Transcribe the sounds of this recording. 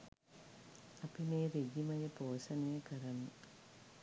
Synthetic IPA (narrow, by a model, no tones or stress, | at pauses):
ɐpːineːɾeɡimɐjɐpoːsɐnekɐɾɐnu